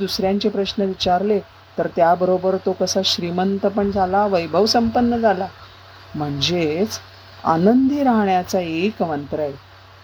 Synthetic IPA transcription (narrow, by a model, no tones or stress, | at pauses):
d̪usɾjaɲt͡ɕepɾəɕnəʋit͡ɕaɾle | t̪əɾt̪jabəɾobəɾt̪okəsaɕɾimənt̪əpəɳd͡zʱalaʋəjbʱəʋsəmpənːəd͡zʱala | m̤əɳd͡zet͡s | a̰nənd̪ʱiːɾaɦɳjat͡saekəʋənt̪ɾəae